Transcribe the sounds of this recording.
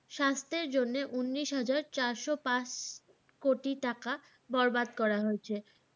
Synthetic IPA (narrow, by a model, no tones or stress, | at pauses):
ʃast̪eɾd͡ʑonːeʔunːiʃɦad͡ʑaɾt͡ɕaɾʃopãt͡ɕ | koʈiʈaka | bɔɾbad̪kɔɾaɦoet͡ɕʰe